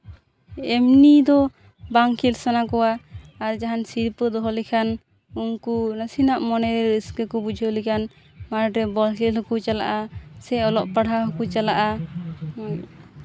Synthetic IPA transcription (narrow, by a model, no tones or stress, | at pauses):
ɛmnid̪ɔ | baŋkʰilsanakɔwaːɾd͡ʒaɦansiɾpəd̪ɔɦɔlikʰan | uŋkunasinaʔmɔnɛɾɛskəkɔbud͡ʒʱəlikʰan | maɾɾɛbɔlkʰɛlɦɔkut͡ʃala̰ʔasɛɔlɔʔpaɽɦaɦɔkut͡ʃalaʔa